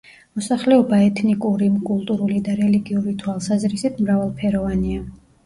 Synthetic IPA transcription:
mɔsaχlɛɔbaɛt̪ʰnikʼuɾimkʼulˠt̪ʼuɾulid̪aɾɛliɡiuɾit̪ʰwalˠsazɾisit̪ʰmɾavalˠpʰɛɾɔvania

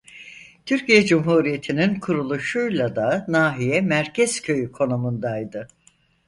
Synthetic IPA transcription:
t̪ʰyɾcijɛd͡ʒumɦuːɾije̞t̪ʰininkʰuɾulˠuʃujlˠad̪anaːɦijɛmæɾcʰɛz̥cʰø̞jykʰo̞numund̪ajd̪ɯ

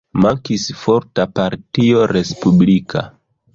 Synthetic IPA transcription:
maŋkisfo̞ɾtapaɾtio̞ɾe̞spublikʰa̰

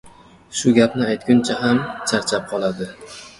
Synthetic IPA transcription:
ʃʊɡʲapnɪajt̪̚ɡʲʊnt͡ʃʰaɦamt͡ʃʰaɾt͡ʃʰap̚qʰɒlˠad̪ɪ

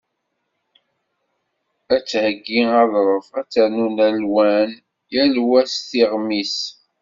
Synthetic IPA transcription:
æt͡sːhəɡːiɑðˤɾˤəvæt͡sːænunælwæn | jælwæsθiʁmis

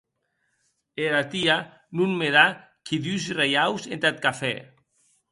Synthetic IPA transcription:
eɾat̪ia | nunmeða | kʰiðysrejawzent̪at̪̚kafɛ

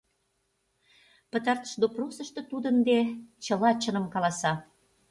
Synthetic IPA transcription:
pət̪ɑrt̪ə̥ʃd̪oprosəʃt̪ɤ̆t̪ud̪ənd̪et͡ɕəlɑt͡ɕənə̆mkɑlɑsɑ

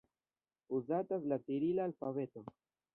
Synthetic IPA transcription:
uzat̪aslat̪iɾilaːlfavet̪o

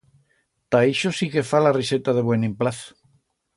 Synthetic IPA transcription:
t̪aiʃosikefalariset̪aðeβwenĩmplaθo̥

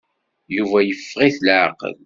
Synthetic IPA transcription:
juvæjəfːʁiθlʕqə̰l

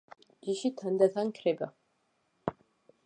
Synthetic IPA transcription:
d͡ʒiʃit̪ʰand̪at̪ʰankʰrɛba

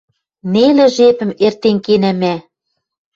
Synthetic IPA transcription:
nelĕʒepɘ̆mert̪enkenæmæ

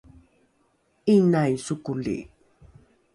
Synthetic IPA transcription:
inajsukulḭ

